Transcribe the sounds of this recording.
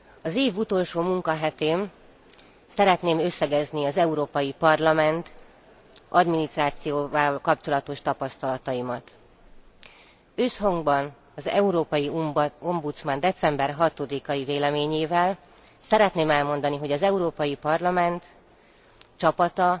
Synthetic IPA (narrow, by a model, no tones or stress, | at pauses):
ɒzeːvut̪o̞lʃoːmuŋkɒɦɛt̪eːm | sɛɾɛt̪neːmø̞sːɛɡɛzniɒzɛuɾoːpɒjipɒrlɒmɛnt̪ | ɒd̪minist̪raːt̪sijoːvɒlkɒpt͡ʃo̞lɒt̪o̞ʃt̪ɒpɒst̪ɒlɒt̪ɒimɒt̪ | øːsɦɒŋɡbɒn | ɒzɛ̰uɾoːpɒjio̞mbut̪smɒnd̪ɛt̪sɛmbɛrɦɒt̪o̞d̪ikɒjiveːlɛmeːɲeːvɛl | sɛɾɛt̪neːmɛlmo̞nd̪ɒniɦo̞ɟɒzɛuɾoːpɒjipɒrlɒmɛnt̪ | t͡ʃɒpɒt̪ɒ